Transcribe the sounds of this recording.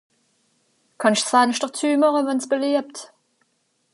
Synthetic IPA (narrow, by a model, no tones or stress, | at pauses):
kʰɑnɪʃt͡sv̥aːnɪʃtəʁt͡syːmɑʁəvɛnsb̥əleːɐp̚t